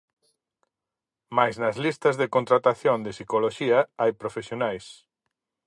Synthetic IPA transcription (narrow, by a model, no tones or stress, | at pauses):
majznɐzlist̪ɐzðekont̪ɾat̪aθjõnd̪esikoloʃiɐajpɾofesjonajs